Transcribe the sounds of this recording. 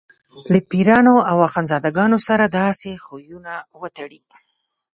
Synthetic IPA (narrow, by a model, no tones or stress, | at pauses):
lapiɾɑnoawaxɑnzɑd̪aɡɑnosaɾad̪ɑsexojunawət̪aɽi